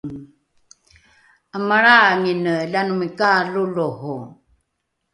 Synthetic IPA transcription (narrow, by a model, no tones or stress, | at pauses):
əmaɾaŋinəɮanumikaluluhu